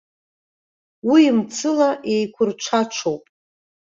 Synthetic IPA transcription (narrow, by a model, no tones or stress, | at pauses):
wiːmt͡sʰɨlaʔe̞jkʷʰʊrʈ͡ʂʷʰaʈ͡ʂʷʰowpʼ